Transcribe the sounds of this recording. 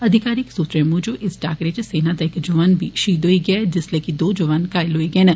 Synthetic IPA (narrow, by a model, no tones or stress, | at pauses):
ɐd̪ʱɪkaːɾiksut̪ɾemuːd͡ʒoʔɪsʈa̰ːkɾet͡ʃeseːnad̪aɪkd͡ʒɐʋaːnbʱiʃiːd̪ɦoiɡɐed͡ʒɪslekid̪oːd͡ʒɐʋaːnkaːɪlɦoːiɡeenɐ